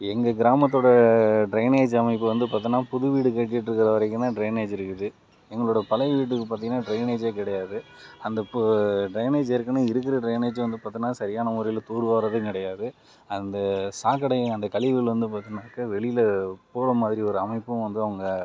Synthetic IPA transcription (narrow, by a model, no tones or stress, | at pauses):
ɛŋɡɐɡɪɾaːmɐt̪ːoːɽɐɖɾɐɪneːd͡ʒɐmɐɪpːɯʋɐnd̪ɯp̬aːt̪̬ːɯnaːpʊðɯʋiːɽɯkɐʈːɪʈːɾɯkːɪɾɐʋɐɾɐkːɯnːãːɖɾɐɪneːd͡ʒɪɾɯkːɯðɯ | ɛŋɡɐɭoːɽɐpɐlɐɪʋiːʈ̬ːɯkːɯpaːɾt̪iŋɡɐnːaːɖɾɐɪneːd͡ʒeːkɪɽɐjaːðɯɐnd̪ɐɖɾɐɪneːd͡ʒɪɾɯkːɐnaːɪɾɯkːɪɾɐɖɾɐɪneːd͡ʒʋɐnd̪ɯpaːɾt̪ɪnaːsɐɾɪjaːnɐmʊɾɐjɪlt̪uːɾɯʋaːɾɐðɯkɪɽɐjaːðɯ | ɐnd̪ɐsaːkːɐɽɐɪ̃ɐnd̪ɐkɐɭɪʋɪlʋɐnd̪ɯpaːɾt̪ːɪnaːkːɐʋɛɭɪjɪlpoːɾɐmaːðɪɾiɔɾɯɐmɐɪpːɯ̃ʋɐnd̪ɯɐʋɐŋɡɐ